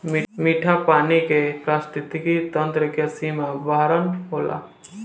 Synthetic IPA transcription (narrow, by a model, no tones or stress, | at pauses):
miːmiːʈʰapaːnikepɾaːst̪ɪt̪ɪkit̪ənt̪ɾəkəsimãbaːɾənɦoːla̰